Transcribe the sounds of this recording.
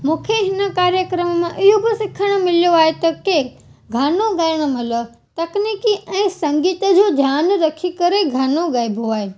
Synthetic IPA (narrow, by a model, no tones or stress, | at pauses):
mũːkʰeɦɪnə̆kaːɾjəkɾəmmãʔɪɦobɪsɪkʰəɽ̃ə̆mɪlijoaːɦet̪ɐke | ɡʱaːnoɠɐjəɽ̃ə̆mɐlə | t̪ɐkniːkiʔɛ̃ːsɐ̃ŋɡiːt̪ə̆d͡ʑoːd͡ʑʱjaːnɾɐkʰikɐɾeɡʱaːnoɠɐɪbʱoaːɦeː